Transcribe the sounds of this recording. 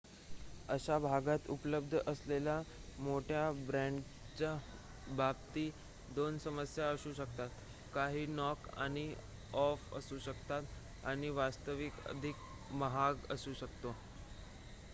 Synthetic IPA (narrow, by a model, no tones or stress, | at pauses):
əɕabʱaɡat̪ṵpələb̚d̪ʱəʔəslelamoʈʰjabɾɛ̃ɳɖ | t͡ɕa | bʱab̚t̪iː | d̪onsəməsjaəsuːɕək̚t̪at̪ | kaɦiːnɔka̰ɽ̃i | ɔfə̰suːɕəkt̪at̪ | a̰ɽ̃iʋast̪əʋikə̰d̪ʱik̚ | məɦaɡə̰suːɕəkt̪o